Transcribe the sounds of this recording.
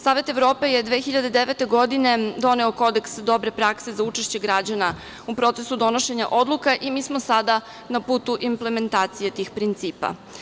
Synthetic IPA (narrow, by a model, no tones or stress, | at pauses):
saːʋe̞t̪e̞vɾo̞ːpejed̪ʋeːxiʎad̪ed̪eʋet̪e̞ɡo̞d̪ine̞d̪o̞ne̞oko̞d̪eksd̪o̞bɾe̞pɾakse̞zaut͡ʃeʃt͡ɕe̞ɡɾad͡ʑana | upɾo̞t̪se̞sud̪o̞no̞ʃe̞ɲa̰ʔo̞d̪lukaʔimiːsmosad̪a | napuːt̪uʔimpleme̞nt̪aːt̪sije̞t̪ixpɾint̪siːpa̰